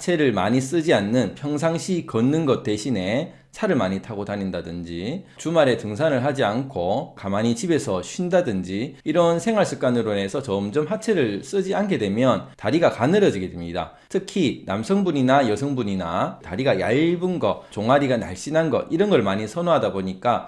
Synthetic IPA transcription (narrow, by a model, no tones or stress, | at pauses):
t͡ɕʰe̞ɾɯɭma̰ɲis͈ɯd͡ʑianːɯnpʰjʌŋsʰaŋɕʰikʌnːɯnɡʌt̚t͈we̞ɕʰine̞ | t͡ɕʰaɾɯɭmaɲitʰaɡotanindadɯnd͡ʑit͡ɕumaɾe̞tɯŋsʰanɯɭɦad͡ʑiankʰokamaɲit͡ɕibe̞sʰʌɕʰindadɯnd͡ʑiiɾʌnsʰe̞ŋwaɭs͈ɯk͈anɯɾone̞sʰʌt͡ɕʌɯmd͡ʑʌmɦat͡ɕʰe̞ɾɯɭs͈ɯd͡ʑianɡe̞dwe̞mjʌntaɾiɡakanɯɾʌd͡ʑiɡedwemɲida̰ | tʰɯkʰina̰msʰʌŋbuɲinajʌsʰʌŋbuɲina̰taɾiɡaja̰ɭbɯnɡʌt͡ɕoŋaɾiɡana̰ɭɕ͈inɦanɡʌ̰ʔiɾʌnɡʌɭmaɲisʰʌnoɦadaboɲik͈a